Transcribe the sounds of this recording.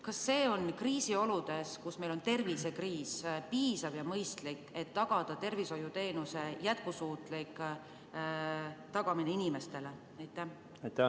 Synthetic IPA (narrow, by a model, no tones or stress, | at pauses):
kɑsːe̞ːo̞nkriːsio̞lud̪̥e̞skusme̞jlo̞nt̪e̞rvise̞kriːspiːsɑvjɑmɤjst̪likːˑe̞t̪ːɑɡ̥ɑd̪̥ɑt̪e̞rviso̞jut̪e̞ːnuse̞jæt̪̚kusuːt̪ˑlikˑ | t̪ɑɡɑmineinime̞st̪e̞le | ɑjt̪ːˑæ | ɑjt̪æ